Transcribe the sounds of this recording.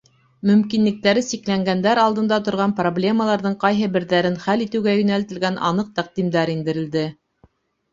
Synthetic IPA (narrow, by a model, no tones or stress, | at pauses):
mɵ̆mkinlɘ̆k̚t̪æɾɘsiklæŋɡænd̪æɾɑlˠd̪ɤ̆nd̪ɑt̪ŏɾʁɑnproblʲe̞məlˠɑɾðɤɴqɑjɦɤbɘ̆ɾðæɾɘnχælit̪ɘ̆wɡæjɵ̆nælt̪ɘ̆lɡænʔɑ̰nɤq̚t̪æq̚d̪imd̪æɾind̪ɘ̆ɾɘ̆ld̪ɘ